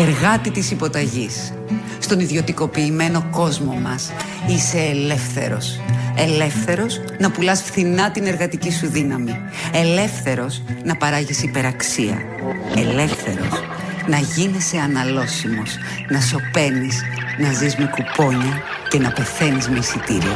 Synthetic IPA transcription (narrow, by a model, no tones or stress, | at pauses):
e̞ɾɣɐt̪it̪isipo̞t̪ɐʝisː | t̪o̞niðjo̞t̪iko̞piːme̞no̞ko̞zmo̞mɐs | ise̞ːle̞fθe̞̰ɾo̞̰se̞le̞fθe̞ɾo̞s | nɐpulɐsfθinɐt̪ine̞ɾɣɐt̪icisuðinɐmi | e̞le̞fθe̞ɾo̞snɐpɐɾɐʝisipe̞ɾɐksiɐ̰ | e̞le̞fθe̞ɾo̞̰s | nɐʝinese̞ɐnɐlo̞simo̞s | nɐso̞pe̞nis | nɐzizmekupo̞ɲɐ | ce̞nɐpe̞θe̞nizmeisit̪ḭɾḭɐ̰